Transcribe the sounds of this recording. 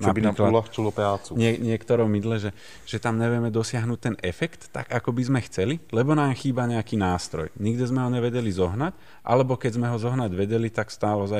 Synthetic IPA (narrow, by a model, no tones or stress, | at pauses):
nabiɾiamklalaxt͡ʃulɔpɾaːt͡suɲɪɛɲɪɛkt̪ɔɾɔmid̪lɛʒɛ | ʒ̥ɛt̪amɲɛʋɪɛmɛd̪ɔsɪaɦnuːc̚t̪ɛnɛfɛkt̪ːa̰ɡakɔbizmɛxt͡sɛlilɛbɔnaːmxiːbaɲɛakiːnaːst̪ɾɔ̰jɲiɡd̪izmɛɦɔɲɛʋɛɟɛlizɔɦnac | ʔa̰lɛbɔkɛɟzmɛɦɔzɔɦnaɟʋɛɟɛlit̪akst̪aːlɔza